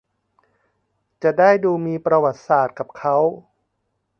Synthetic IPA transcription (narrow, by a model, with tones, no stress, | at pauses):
t͡ɕa˨˩ʔdaː˥˩jduː˧miː˧pɾa˧wa˨˩t̪̚saː˨˩t̪̚ka˨˩p̚kʰa˦˥w